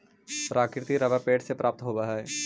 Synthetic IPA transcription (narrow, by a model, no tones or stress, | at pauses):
pɾaːkɾɪt̪iɾɐʋapeːʈsepɾʔaːp̚t̪ɦoːbaɦaɛː